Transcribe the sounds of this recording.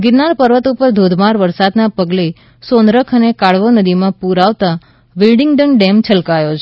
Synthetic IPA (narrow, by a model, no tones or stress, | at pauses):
ɡɪɾnaɾpəɾʋət̪upəɾd̪ʱod̪ʱmaɾʋəɾsad̪napəɡle | sonɾəkʰənekaɭʋonəd̪imãpuɾaʋt̪a | ʋɪlɖɪŋɡɖənɖemt͡ʃʰəlkajot͡ʃʰ